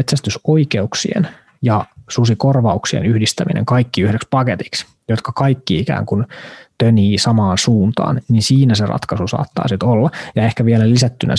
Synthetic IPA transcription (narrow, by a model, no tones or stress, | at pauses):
et̪sæst̪ysoikeuksḭḛn | jɑsusikorʋɑuksiḛnyhdist̪æminḛŋkɑikːiyhdekspɑket̪i̥ks | jot̪kɑkɑikːiikæ̰ːŋkunt̪øniːsɑmɑːnsuːnt̪ɑ̰ːnninsiːnæserɑ̰t̪kɑsusɑ̰ːt̪ːɑ̰ːsit̪olːɑjɑehkæʋielælisæt̪ːynʔæ̰